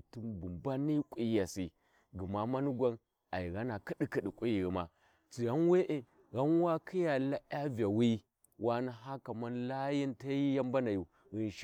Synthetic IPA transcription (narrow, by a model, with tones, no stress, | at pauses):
tu˦mbu˨mba˦ni˦kʷʼi˦ja˨si˦ | ɡi˨ma˦ma˦nu˦ɡʷa˦n | a˨i˨ɣa˦na˨ki˦di˦ki˦˨ɗi˨kʷʼi˦ji˨ɣi˨ma˨ | t͡si˨ɣa˦n˦we˦ʔe˦ | ɣa˦n˦wa˦kʰi˦ja˨la˦a˦va˨wi˦ | wʔa˦na˦ɦa˦ka˨ma˦nla˦ji˦nta˦ji˦ja˦mba˦na˨ju˨ | ɣi˨n˨ʃ